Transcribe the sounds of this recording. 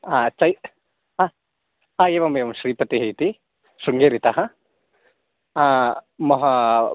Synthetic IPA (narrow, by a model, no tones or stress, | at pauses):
at͡ʃɐj | a | ɦaeːʋɐmeːʋɐmʃɾiːpɐt̪iɦejt̪i | ʃuŋɡeːɾit̪aɦɐ | mɔɦɐ